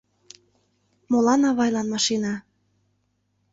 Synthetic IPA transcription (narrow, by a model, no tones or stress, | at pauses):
molɑnɑβɑjlɑnmɑʃinɑ